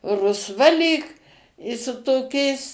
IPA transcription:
rʊsˈʋɐ lʲiːk ɪ sʊ toːˈkʲɛɪs

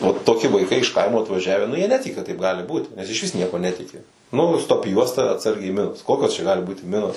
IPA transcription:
oː toːˈkʲɪ ʋɐɪˈkɐɪ ɪʃ ˈkɐɪmoː ɐtʋɐˈʒʲæːʋʲæː nʊ jiɛ ˈnʲæːtʲɪkʲɪ kɐt tɐɪp ˈɡɑːlʲɪ ˈbuːt nʲɛs ɪʃʲˈʋʲɪs ˈnʲiɛkuɔ ˈnʲæːtʲɪkʲɪ nʊ stoːp ˈjuɔstɐ ɐtˈsɐrʲɡʲɛɪ mʲɪnoːs ˈkoːkʲoːs t͡ʃʲɛ ˈɡɑːlʲɪ ˈbuːtʲɪ ˈmʲɪnoːs

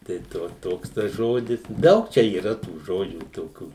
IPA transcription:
tɐɪ ˈtoː ˈtoːks tɐs ˈʒoːdʲɪs ˈdɐʊk ˈt͡ʃʲɛ iːˈrɐ tuː ˈʒoːd͡ʒʲuː toːˈkʲuː

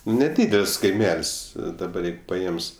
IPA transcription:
nʲɛˈdʲiːdʲɛlʲsʲ kɐɪˈmʲɛlʲsʲ dɐˈbɐr ˈjɛɪɡʊ pɐˈeːms

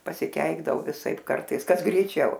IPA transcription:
pɐsʲɪˈkʲɛɪɡdɐʋɐʊ ʋʲɪˈsɐɪp ˈkɐrtɐɪs ˈkɐs ɡrʲɛɪˈt͡ʃʲɛʊ

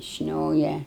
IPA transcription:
ˈʃʲnʲoːjɛ

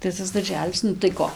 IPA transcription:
tɐɪ ˈtɐs dɐrʲˈʒʲæːlʲɪs ˈnʊ tɐɪ ˈkoː

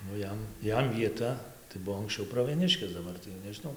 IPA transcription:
nʊ ˈjɛm ˈjɛm ʋʲiɛˈtɐ tɐɪ ˈbʊʋoː ɐŋkˈsʲt͡ʃʲɛʊ prɐʋʲiɛˈnʲɪʃʲkʲeːs dɐˈbɐr tɐɪ jɛʊ nʲɛʒʲɪˈnɐʊ

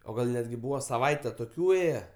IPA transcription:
oː ˈɡɐlˠ nʲɛdʲˈɡʲɪ ˈbuːʋɐ sɐˈʋɐɪtʲɛ toːˈkʲuː ˈeːjɛ

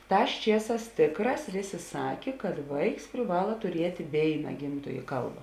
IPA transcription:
ˈtɑːs ˈt͡ʃʲiɛˌsɑːs ˈtʲeːkˌrɑːs ˈʋʲeːˌsʲeː ˈsɑːkʲeː kɐt ˈʋɐɪks pʲrʲɪˈʋɑːlˠɐ tʊˈrʲiɛtʲ ˈʋʲeːɪnɐ ˈɡʲɪmtoːjeː ˈkɐlˠbɐ

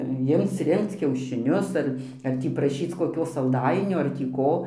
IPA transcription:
ˈjɪmt͡s ˈrʲɪŋkt͡s kʲɛʊʃʲɪˈnʲʊs ɐr ɐr ˈtʲiː prɐˈʃʲiːt͡s koːˈkʲoː sɐlˠˈdɐɪnʲoː ɐr tʲiː ˈkoː

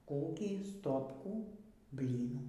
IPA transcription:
ˈkoːkʲiː ˈstoːpkuː ˈbʲlʲiːnuː

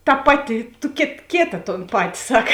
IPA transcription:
tɐ ˈpɑːˌtʲɪ tʊ kʲeːt ˈkʲeːtɐ toːn ˈpɑːtʲɪ ˈsɐk

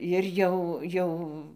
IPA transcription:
jɪr ˈjɛʊ ˈjɛʊ

